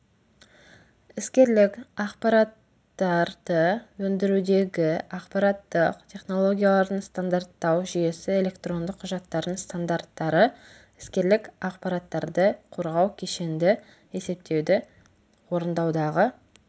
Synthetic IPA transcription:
ɪskʲe̞ɾlɪkɑqpɑɾɑt̪ː | ɑɾd̪̥əwɵnd̪ɪɾud̪e̞ɡʲɪɑqpɑɾɑt̪ːəqt̪ʲʰe̞χno̞lˠo̞ɡʲijalˠɑɾənst̪and̪art̪ːɑwʒʏje̞sɪe̞le̞kt̪ro̞nd̪əqʰːʊʒɑt̪ːɑɾənst̪and̪aɾt̪ːɑɾə | ɪ̥skʲe̞ɾlɪkɑqpɑɾat̪ːɑɾd̪əqʰo̞ɾʁɑwkʲʰe̞ʃe̞nd̪ɪ | e̞se̞p̚t̪ʰe̞wd̪ɪ | wo̞ɾənd̪ɑwd̪ɑʁə

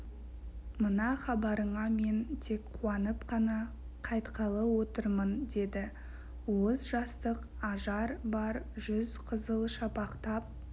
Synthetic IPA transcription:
mənɑχɑbɑɾəɴɑme̞nt̪ʰe̞kqʰuɑnəpqʰɑnɑ | qʰɑjt̪qʰɑlˠəwo̞t̪əɾmənd̪e̞d̪ɪ | wozʒɑst̪əq | ɑʒɑɾbɑɾʒʏzqʰəzəlˠʃɑpɑqt̪ɑp̚

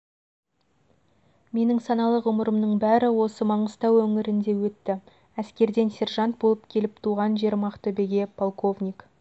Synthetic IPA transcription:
me̞nɪŋsɑnɑlˠəʁʊməɾəmnəɴbæɾɪwo̞səmɑɴəz̥t̪ɑwɵŋɪɾɪnd̪e̞wɵt̪ːɪ | æskʲe̞ɾd̪e̞nsʲe̞ɾʒɑnt̪̚bo̞lˠəp̚kʲʰe̞lɪp̚t̪ʰuʁɑnʒe̞ɾmɑqt̪ɵbeɡʲe̞pʰo̞lˠko̞vnʲijk

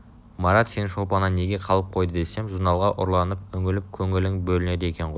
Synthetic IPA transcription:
mɑɾɑt̪se̞nʃo̞lˠpɑnɑne̞ɡʲe̞qʰɑlˠəp̚qʰo̞jd̪əd̪e̞se̞mʒuɾnɑlˠʁɑʔʊɾlˠɑnəp̚ɵŋɡʲɪlɪp̚kʲʰɵŋɪlɪŋbɵlɪne̞d̪ee̞kʲe̞ɴʁojj

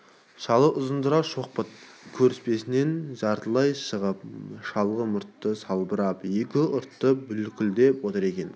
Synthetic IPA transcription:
ʃɑlˠəʔʊzənd̪əɾɑʃoq̚pət̪̚kʲʰɵɾɪspe̞sɪne̞nʒɑɾt̪əlˠɑjʃəʁəp̚ʃɑlˠʁəmʊɾt̪ːəsɑlˠbəɾɑpje̞kʲɪʊɾt̪ːəbʏlkʲɪld̪e̞pwot̪əɾe̞kʲe̞n

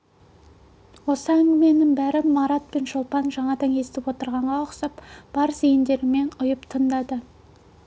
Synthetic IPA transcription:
wo̞səæŋɡʲɪme̞nɪŋbæɾɪmɑɾɑt̪̚pe̞nʒolˠpɑnʒɑɴɑd̪ɑŋe̞st̪ɪpwo̞t̪əɾʁɑɴʁɑoqsɑpb̥ɑɾzijɪnd̪e̞ɾɪme̞nʊjəpt̪ʰənd̪ɑd̪ə

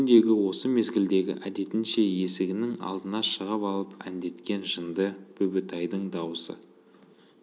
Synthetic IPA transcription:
nd̪e̞ɡʲɪwo̞səme̞zɡʲɪld̪e̞ɡʲɪ̰ʔæd̪e̞t̪ɪnʃe̞je̞sɪɡʲɪnɪŋɑ̰lˠd̪ənɑʃəʁəpɑlˠəpæ̰nd̪e̞t̪kʲe̞nʒənd̪əkʰɵbɪt̪ʰɑjd̪əɴd̪ɑwəsə̰

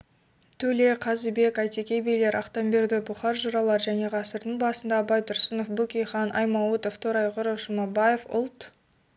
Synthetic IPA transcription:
t̪ʰɵle̞qʰɑzəbe̞kɑjt̪ekʲejbe̞jle̞ɾɑqt̪ɑmbe̞ɾd̪ɪbʊχɑɾʒʊɾɑlˠɑɾʒæne̞ʁɑsəɾd̪əɴbɑsənd̪ɑbɑjt̪ʊɾsənofbukʲejχɑnʔɑ̰jmɑwut̪oft̪ʰoɾɑjʁʊɾofʒ̥ʊmɑbɑje̞fʊ̰lˠt̪

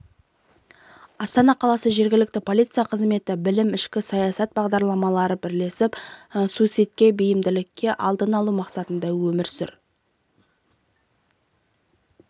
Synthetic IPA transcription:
ɑst̪ɑnɑqʰɑlˠɑsəʒe̞ɾɡʲɪlɪk̚t̪ɪpʰo̞lijt̪sɨjɑqʰəzme̞t̪ɪbɪlɪmɪʃkʲɪsɑjɑsɑt̪̚bɑʁd̪ɑɾlˠɑmɑlˠɑɾəbɪɾle̞sɪpsusijt̪̚kʲe̞bɪjɪmd̪ɪlɪkʲʰːe̞ʔɑlˠd̪ənɑlˠumɑqsɑt̪ənd̪ɑwɵmɪɾsɪ̰ɾ

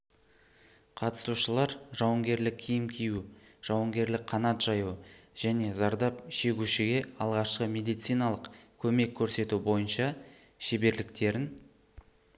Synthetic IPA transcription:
qʰɑt̪ə̥suʃəlˠɑɾʒɑwəŋɡʲe̞ɾlɪkʲʰːijɪmkʲʰiju | ʒ̥ɑwəŋɡʲe̞ɾlɪk̚qʰɑnɑt̪ʒ̥ɑjuʒ̥æne̞zɑɾd̪ɑp̚ʃe̞ɡʲuʃɪɡʲe̞ɑlˠʁɑʃqəme̞d̪ijt̪sɨjnɑlˠəqkʲʰɵme̞kʲʰːɵɾse̞t̪ubo̞jənʃɑ | ʃe̞be̞ɾlɪkt̪e̞ɾɪn

